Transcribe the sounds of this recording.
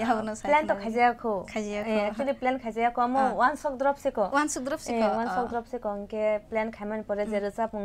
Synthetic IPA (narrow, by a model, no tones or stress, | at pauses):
abɔnɔslentɔkʰajzajakʰɯkʰazajakeak̚t͡ʃuliplenkʰajzajakʰɔamɔwansɔk̚dɾɔp̚sikɔwansɔk̚dɾɔp̚siekwansɔk̚dɾɔp̚sikɔŋkeplenkʰajmanpɔɾɛzeɾɯsapuŋ